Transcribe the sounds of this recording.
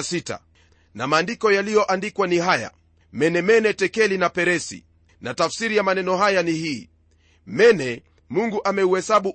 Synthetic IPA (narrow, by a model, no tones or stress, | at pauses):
sita̰ | namaːndikɔjalijɔʔandikwaniɦaja̰ | mɛnɛmɛnɛtɛkɛlinapɛɾɛsḭ | natafsiɾijamanɛnɔɦajanihiː | mɛnɛ | muŋɡuʔamɛuhɛsaɓu